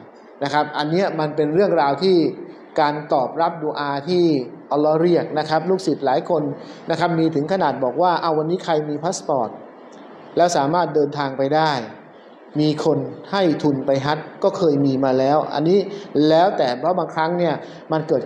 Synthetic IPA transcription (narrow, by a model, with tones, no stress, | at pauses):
na˦˥kʰa˦˥p̚ʔa˧nːi˦˥ɐma˧npe˧nɾɯ˥˩əŋɾaː˧wt̪ʰiː˥˩ | kaː˧nt̪ɔː˨˩p̚ɾa˦˥p̚duː˧ʔaː˧t̪ʰiː˥˩ʔɔː˧lːɔː˦˥ɾi˥˩ək̚na˦˥kʰa˦˥p̚luː˥˩k̚si˨˩t̪̚laː˩˦jkʰo˧nːa˦˥kʰa˦˥p̚miː˧t̪ʰɯ˩˦ŋkʰa˧naː˨˩t̪̚bɔː˨˩k̚waː˥˩ʔa˧˩wa˧nːiː˦˥kʰa˧jmiː˧pʰaː˦˥spɔː˨˩t̪̚ | lɛː˦˥wsaː˩˦maː˥˩t̪̚dɤː˧nt̪ʰaː˧ŋpa˧jdaː˥˩j | miː˧kʰo˧nha˥˩jt̪ʰu˧npa˧jɦa˦˥t̪̚kɔː˥˩kʰɤː˧jmiː˧maː˧lɛː˦˥wʔa̰˧nːiː˦˥lɛː˦˥wt̪ɛː˨˩pʰɾɔ˦˥baː˧ŋkʰɾa˦˥ŋni˥˩ɐ | ma˧nkɤː˨˩t̪̚